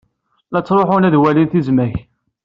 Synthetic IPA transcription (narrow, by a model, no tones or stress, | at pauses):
læt͡sːɾˤoħʊnæðwælinθizmæç